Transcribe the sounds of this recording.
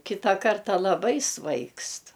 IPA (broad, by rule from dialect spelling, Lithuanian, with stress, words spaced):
ˈkʲɪtɑː ˈkɐrtɐ lˠɐˈbɐɪ ˈsʋɐɪkst